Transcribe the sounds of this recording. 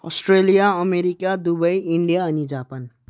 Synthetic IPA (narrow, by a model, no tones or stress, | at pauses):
ɔ̰sʈɾelijaəmeɾikad̪ubʌjiɳɖijaʌnid͡ʒapan